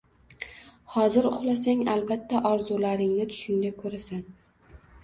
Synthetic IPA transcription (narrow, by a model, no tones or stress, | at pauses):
hɒzɪɾʊχlas̬aŋalbat̪ʰːaʔɒɾzʊlaɾɪŋnɪt̪ʰʊ̥ʃɪŋd̪akʰɵɾasan